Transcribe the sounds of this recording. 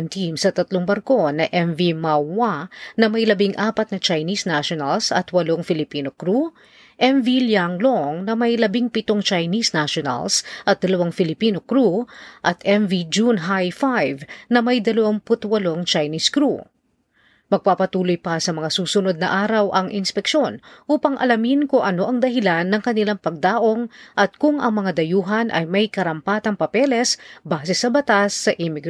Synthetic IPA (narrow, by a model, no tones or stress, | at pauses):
nt̪imsɐt̪ɐt̪loŋbɐɾko̞nɐʔɛɱvimawanɐmɐjlɐbiŋʔaːpɐt̪̚nɐt͡ʃɐjnisnaʃonɐlsɐ̰t̪wɐloŋfɪlɪpiːno̞kɾu | ʔɛɱviljaŋloŋnɐmɐjlɐbiŋpɪt̪oŋt͡ʃɐjnisnaʃonɐ̰lsʔɐt̪̚d̪ɐlɐwaŋfɪlɪpiːnokɾuʔɐt̪ɛɱvid͡ʒunɦajfajvnɐmɐjd̪ɐlɐwaŋpʊt̪wɐloŋt͡ʃajniskɾu | mɐɡ̚papɐt̪uːlojpɐsɐmɐŋasuːsʊno̞d̪̚nɐʔaːɾɐwʔɐŋʔɪnspɛkʃo̞nʔuːpɐŋʔɐ̰lɐmɪnkʊʔɐno̞ʔɐŋd̪ɐɦɪlanːɐŋkɐnɪlaŋpɐɡ̚d̪aːʔo̞ŋʔɐt̪̚kʊŋɐ̰ŋmɐŋad̪ɐjuːɦɐnʔɐ̰jmɐjkɐɾɐmpaːt̪ɐŋpɐpɛlɛsbaːsɛsɐbɐt̪asːɐʔimɪɡ